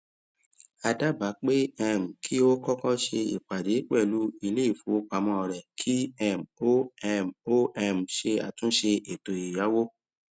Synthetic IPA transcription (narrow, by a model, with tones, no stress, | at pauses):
a˧da˦ba˨˦k͡pe˦ɛ˧˨m̩˨kʰi˦o˦kɔ˦kɔ̃˦ʃe˧ḭ˨k͡pa˨de˨˦k͡pɛ˦˨lu˦i˧le˦i˦˨fu˨˦o˦k͡pa˨˧mɔ̃˧ɔ˧˨ɾɛ˨kʰi˦ɛ˦˨mo˦ɛ˧mo˦ɛ˧m̩˨ʃe˧a̰˨tũ˦ʃe˧e˨to˨i˨ja˨˦wo˦